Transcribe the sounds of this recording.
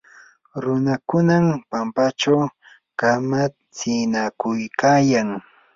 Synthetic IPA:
ɾʊnakʊnampampat͡ʃaw | kama | t͡sɪnakʊjkʰaːjaŋ

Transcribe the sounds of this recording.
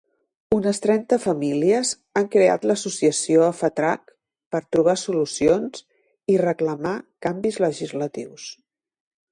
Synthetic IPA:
unəst̪ɾɛnt̪əfəmiliəz | aŋkɾea̰t̪ləsusiəsioəfət̪ɾak | pəɾt̪ɾuβ̞asulusions | irəkləmakambizləʒizlət̪iws

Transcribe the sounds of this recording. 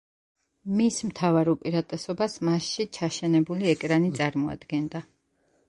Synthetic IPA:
mismt̪ʰavaɾupʼiɾat̪ʼɛsɔbasmasʃit͡ʃʰaʃɛnɛbuliɛkʼɾanit̪sʼaɾmɔa̰d̪ɡɛnd̪a

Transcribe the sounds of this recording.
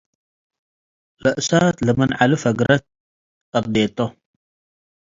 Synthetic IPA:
lɨʔsat̪lɨmɐnʕalɨfɐɡɾɐt̪̚ | kʼɐb̚d̪et̪ʼːo

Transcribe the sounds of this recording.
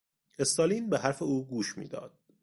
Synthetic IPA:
e̞st̪ɑːliːnbeɦæɾfeuːɡuːʃmḭːd̪ɒ̰ːd̪̥̚

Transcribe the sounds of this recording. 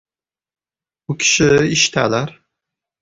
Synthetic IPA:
bʊkʲʰi̥ʃɪiʃt̪ʰæ̰læɾ

